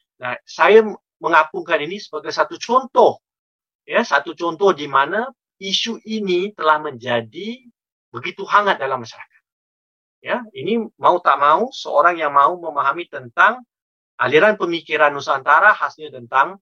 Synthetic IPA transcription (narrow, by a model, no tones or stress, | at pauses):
nasaja | məŋapʊŋkaninisəbaɡajsat̪ut͡ʃɔnt̪ɔh | jasat̪ut͡ʃɔnt̪ɔhdimana | isuʔinit̪əlahməɲd͡ʒadi | bəɡit̪uɦaŋat̪̚dalamːaʃaɾakḁt̪̚ | jainimaut̪aʔmausəoɾaŋjaŋmauməmaɦamit̪ənt̪aŋ | ʔa̰liɾanpəmikiɾanusaːnt̪aɾahasɲat̪ənt̪aŋ